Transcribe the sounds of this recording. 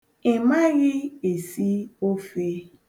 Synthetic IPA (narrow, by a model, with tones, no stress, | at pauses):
ɪ˨ma˦ɣɪ˦e˨si˦o˦fe˦